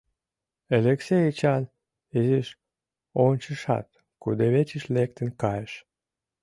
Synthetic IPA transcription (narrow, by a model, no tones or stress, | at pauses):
eleksejit͡ɕɑn | iziʃ | onʲt͡ɕəʃɑ̰t̪ | kud̪eβet͡ɕiʃlek̚t̪ənkɑjəʃ